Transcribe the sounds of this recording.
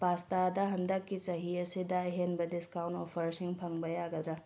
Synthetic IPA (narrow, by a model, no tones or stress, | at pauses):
bastadɐɦɐndɐkːit͡ʃɐɦiɐsidɐɐɦenbɐdiskawntopʰɐɾsiŋpʰɐŋbɐjaɡɐd̪ɾɐ